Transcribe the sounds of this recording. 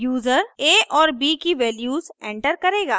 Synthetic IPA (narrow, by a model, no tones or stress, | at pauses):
juːzəɾeːʔɔːɾbiːkiʋɛːljuːzẽːɳʈəɾkɐɾeːɡaː